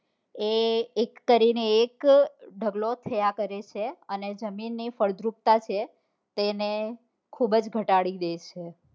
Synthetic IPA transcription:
eːkːəɾineːkɖʱəɡlot̪ʰəjakəɾet͡ʃʰeəned͡ʒəminːifəɭd̪ɾup̚t̪at͡ʃʰe | t̪ene | kʰubd͡ʒɡʱəʈaɽid̪et͡ʃʰe

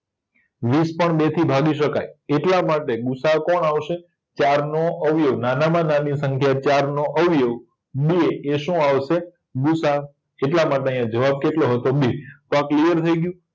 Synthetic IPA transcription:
ʋispəɳɓet̪ʰibʱaɡiʃəka̰jeʈlamaʈeɡusakɔɳaʋʃe | t͡ʃaɾnoəʋjoʋnanamãnanisəŋkʰjat͡ʃaɾnoʔəʋjoʋ | bieeʃũaʋʃe | ɡusa | eʈlamaʈeəjãd͡ʒəʋab̚keʈloɦət̪obit̪oãklijəɾt̪ʰəiɡjũ

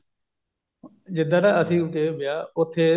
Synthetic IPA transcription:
d͡ʒɪd̪aːɾaːəsĩːʊt̪eːbɪjaːʊt̪ʰːeː

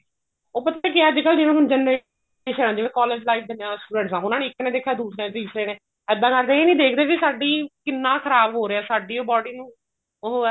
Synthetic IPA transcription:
oːpət̪akɪɛːd͡ʒɪkəld͡ʒɪnõːsʊnd͡ʒɛnɾe | ʃəːnãːd͡ʒɪʋẽːkɔːleːd͡ʒlaːɪf̚d̪ɪnjãːsʈuːɖɛ̃ːɳʈsãːʊnãːneːɪkːnẽːd̪eːkʰːaːd̪uːsɾẽːd̪iːsɾeːnẽː | ɛːd̪ãːkəɾd̪eːeːnĩːd̪eːkʰd̪eːkɪsaːɖiːkɪnːãːkʰəɾaːbɦoːɾeːɛːsaːɖiːoːbɔːɖiːnũː | o

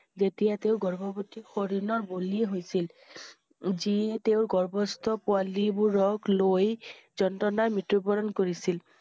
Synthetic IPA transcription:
zetijateʊɡɔɹbɔbotixoɹiɹnɔɹbolieɦojsil | ziɛteʊɹɡɔɹbɔst̪ɔpʊalibʊɹɔɡlojzɔntɔnaɹmitɹubɔɹɔnkoɹisil

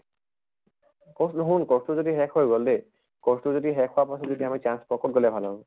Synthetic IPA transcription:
kɔsnɦunkɔstuzodiɦɛkʰhojɡɔldɛ | kɔstuzodiɦɛkʰːʊwapasɔtzodiamit͡ʃanspɔkɔt̚ɡɔlɛbʱalɔ

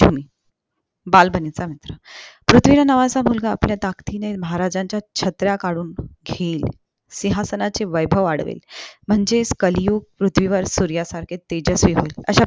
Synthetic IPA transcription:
d͡ʑʱumi | balbʱənit͡samit̪ɾəpɾut̪ʰʋilanəʋat͡samulɡaːpljat̪akt̪ʰineməɦaɾad͡ʑãɲt͡ɕjat͡ɕʰət̪ɾjakaɽuːnɡʱeil | siɦasənat͡seʋəjbʱəʋaɽʋḛlm̤əɳd͡zeskəljuːɡ̚pɾut̪ʰʋiʋəɾsuɾjasaɾkʰet̪ːed͡ʑəsʋiːɦoilə̰ɕa

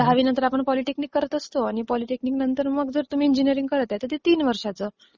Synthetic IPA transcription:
d̪ʱaʋiːnə̃nt̪əɾapəɳpɔliʈekniːkːəɾət̪əst̪oaɽ̃ipɔliʈekniːknənt̪əɾməɡd͡zəɾt̪um̤iːnd͡ʑiniəɾiŋɡ̚kəɾət̪jat̪ət̪it̪iːnʋəɾʂat͡səː

